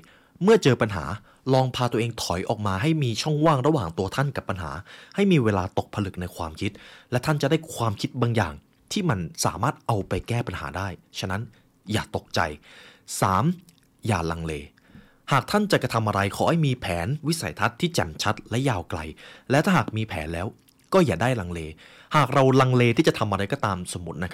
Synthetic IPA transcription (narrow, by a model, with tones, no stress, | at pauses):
mɯ˥˩ɐt͡ɕɤː˧pa˧nɦa̰ː˩˦ | lɔː˧ŋpʰaː˧t̪u˧ɐʔeː˧ŋt̪ʰɔ˨˩˦jʔɔ̰ː˨˩k̚maː˧ɦa˥˩jmiː˧t͡ɕʰɔ˥˩ŋwaː˥˩ŋɾa˦˥waː˨˩ŋt̪u˧ɐt̪ʰa˥˩nka˨˩pːa˧nɦa̰ː˩˦ha˥˩jmiː˧weː˧laː˧t̪o˨˩k̚pʰa˧lɯ˨˩k̚na˧jkʰwaː˧mkʰi˦˥t̪̚lɛ˦˥t̪ʰa˥˩nt͡ɕa˨˩daː˥˩jkʰwaː˧mkʰi˦˥t̪̚baː˧ŋja̰ː˨˩ŋ | t̪ʰiː˥˩ma˧nsa̰ː˩˦maː˥˩t̪̚ʔa˧wpa˧jkɛː˥˩pa˧nha̰ː˩˦daː˥˩jt͡ɕʰa˦˥na˦˥n | jaː˨˩t̪o˨˩k̚t͡ɕa̰˧jsaː˩˦m | jaː˨˩la˧ŋleː˧ | haː˨˩k̚t̪ʰa˥˩nt͡ɕa˨˩ka˧t̪ʰa˧mʔa˧ɾa˧jkʰɔː˩˦ha˥˩jmiː˧pʰɛː˩˦nwi˦˥sa˨˦jt̪ʰa˦˥t̪ʰːiː˥˩t͡ɕɛ̰˨˩nt͡ɕʰa˦˥t̪̚lɛ˦˥jaː˧wkla̰˧jlɛː˦˥wt̪ʰaː˥˩ɦaː˨˩k̚miː˧pʰɛ̰ː˩˦nlɛː˦˥w | kɔː˥˩jaː˨˩daː˥˩jla˧ŋleː˧ | haː˨˩k̚ɾa˧wla˧ŋleː˧t̪ʰiː˥˩t͡ɕa˨˩t̪ʰa˧mʔa˧ɾa˧jkɔː˥˩t̪aː˧mso˨˩˦mːu˦˥t̪̚na˦˥kʰ